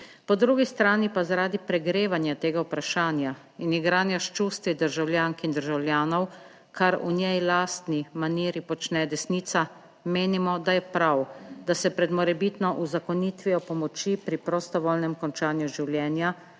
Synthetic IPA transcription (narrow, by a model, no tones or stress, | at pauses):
pɔd̪ɾuːɡist̪ɾaːnipazaɾaːd̪ipɾɛɡɾeːʋanjat̪eːɡawpɾaʃaːnja | iniɡɾaːnjaʃt͡ʃust̪ʋid̪əɾʒawlʲjaːŋkind̪əɾʒawlʲjaːnɔw | kʰaɾṵnʲjɛjlaːst̪nimaniːɾipɔt͡ʃnɛd̪ɛsniːt̪sa | meːnimɔd̪ajɛpɾawd̪asɛpɾɛd̪mɔɾɛbiːt̪nɔʔuzakɔnit̪ʋiɔpɔmɔt͡ʃipɾipɾɔst̪ɔʋɔlnɛmkɔnt͡ʃaːnjuʒiwljɛːnja